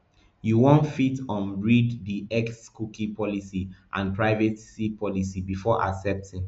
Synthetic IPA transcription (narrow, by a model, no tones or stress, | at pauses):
juwõntfitɔ̃nɹiddiɛkskukĩpɔlisiʔã̰npɹaɪvetsipʰɔlisibifɔʔa̰ksɛp̚tĩŋ